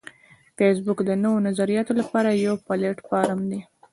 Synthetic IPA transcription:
fes̬bukd̪ənəwonazaɾijɑt̪olapɑɾajawpɑleʈpɑɾamd̪i

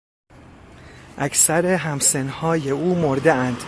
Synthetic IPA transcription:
ʔækʰsæɾeɦæmsenhɒːje̞uːmoɾd̪eænd̪̥

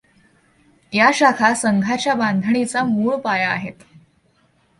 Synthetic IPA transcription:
jaɕakʰasəŋɡʱat͡ɕjabãnd̪ʱəɳ̃it͡samuːɭpaja̰ːɦet̪

